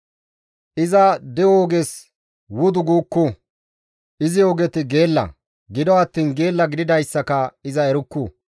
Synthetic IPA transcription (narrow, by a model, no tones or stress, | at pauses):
ʔɪzɐd̪ɛoːɡɛs | wʊd̪ʊɡuːkːʊ | ʔɪzɪjoːɡɛt̪ɪɡe̞ːlːɐ̰ | ɡɪd̪ɔɐt̪ːiːnɡe̞ːlːɐɡɪd̪ɪd̪ɐjsːɐkɐɪzɐɛɾʊkːuː